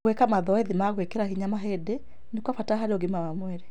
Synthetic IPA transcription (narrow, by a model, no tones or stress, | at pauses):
wekamaðɔɛðimaɣwekeɾahiɲamaɦede | nekwafataɦaɾeoɣimawamwɛɾe